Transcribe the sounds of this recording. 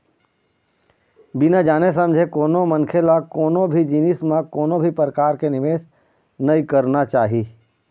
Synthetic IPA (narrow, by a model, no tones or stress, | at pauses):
bɪnad͡ʒaːnes̬ə̃md͡ʒʱekoːnõmə̃ŋkʰelakoːnõbʱid͡ʒinɪsmãkoːnõbʱipɾəkaːɾkenɪʋeːs | nəikəɾnat͡ʃaːɦiː